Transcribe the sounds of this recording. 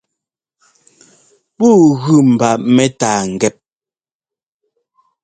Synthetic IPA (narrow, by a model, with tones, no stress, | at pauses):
buː˦˨ɣʉ˦˨m̩˨ba˨ʔmɛ˦taː˨ŋ̩˨ɡɛ˦˨p̚